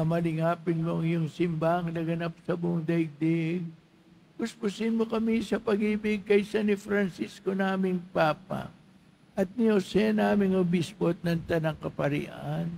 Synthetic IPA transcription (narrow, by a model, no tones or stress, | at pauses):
ɐmɐlɪŋaːpɪnmoŋjʊŋsɪmbaŋnɐɡɐnap̚sɐboŋd̪ɐɡ̚d̪ɛɡ̚ | bʊspʊsɪnmokɐmisɐpɐɡiːbɪɡ̚kɐjsɐnɪfɾɐnsiskonaːmɪŋpaːp̚ɐ̰ | ʔɐt̪̚niosɛnaːmɪŋobispot̪̚nɐŋt̪ɐnɐŋkɐpɐɾɪ̰ʔan